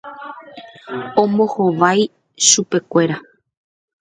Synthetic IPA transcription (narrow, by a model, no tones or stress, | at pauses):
õ̞mbohoʋaj | ʃupe̞kʷe̞ɾa